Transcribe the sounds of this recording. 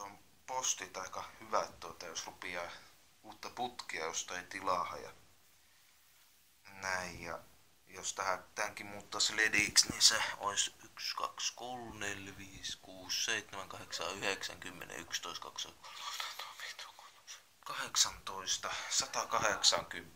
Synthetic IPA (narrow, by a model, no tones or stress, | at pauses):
om | post̪it̪ɑikɑhyʋæt̪t̪uot̪ɑjosrupiɑː | uːt̪ːɑput̪kiɑjost̪ɑit̪ilɑˑhɑ̰jɑ̰ | næijjɑ̰ | jost̪æhæt̪æŋkimuːt̪ːɑslediˑksniseo̰isykskɑ̰kskolnelʋiːskuːsseit̪ːemæŋkɑheksɑ̰ːyheksæ̰ŋkymːḛnḛy̰kst̪oist̪kɑkso̰ko̥lo̥t̪ɑ̥t̪o̥pi̥ːt̪o̥ko̥ | s | kɑheksɑnt̪oist̪ɑsɑt̪ɑkɑheksɑŋkymː